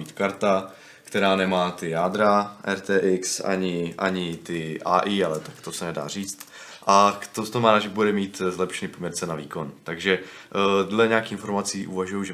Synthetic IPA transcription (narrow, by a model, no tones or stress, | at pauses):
iːt̪kaɾt̪a | kt̪ɛɾaːnɛmaːt̪ɪjaːd̪ɾaʔɛɾt̪ɛːʔɪksa̰ɲɪʔa̰ɲɪt̪ɪʔa̰ːʔiːalɛt̪akt̪osɛnɛda̰ːr̝iːt͡st̪ | ʔat̪ot̪omanaʒɪbudɛmiːt̪zlɛpʃɛniːpomɲɛɾt͡sɛnaviːko̞nt̪aɡʒɛ | dlɛɲɛaːkixɪnfo̞ɾmat͡siːʔuvaʒujuʒɛ